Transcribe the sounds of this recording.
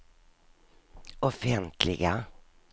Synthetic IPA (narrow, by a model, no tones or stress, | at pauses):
ɔfɛnt̪ʰlɪ̰ɡa